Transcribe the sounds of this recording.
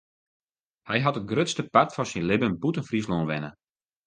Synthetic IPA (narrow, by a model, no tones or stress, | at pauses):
hɛjɦatət̚ɡrøtstəpatfɔsinlɪbənbutənfrisloːnʋɛnə